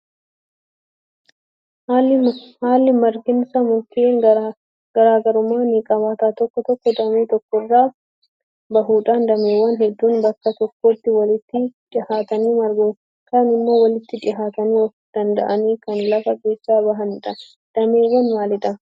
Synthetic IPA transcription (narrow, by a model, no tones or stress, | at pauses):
lːhaːlːɪmɐɾɡɪnsɐmʊk̪ɪeːŋ | ɡ̥ɐɾaːɡɐɾʊmaːniːkʼɐβaːt̪aːt̪ɔkːɔt̪ɔkːɔd̪ɐmeːt̪ɔkːɔrːaː | bɐɦuːᶑand̪ɐmeːwːɐnɦɛd̪ːuːnbɐkːɐt̪ɔkːoːt̪ːɪwɐlɪt̪ːɪᶑ̪ɪhaːt̪ɐniːmɐɾɡu | kɐnɪmːo̞ːwɐlɪt̪ːɪᶑɪɦaːt̪ɐniːwɐ | d̪̥ɐnd̪ɐ̰ʔɐniːkɐnlɐfɐɡeːsːaːbɐɦɐnɪᶑɐ | d̪̥ɐmeːwːɐnmaːlɪᶑɐ